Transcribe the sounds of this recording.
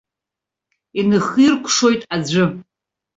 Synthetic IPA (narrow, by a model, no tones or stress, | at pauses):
inɨχirkʷʰʂo̞jtʼad͡ʒʷɨ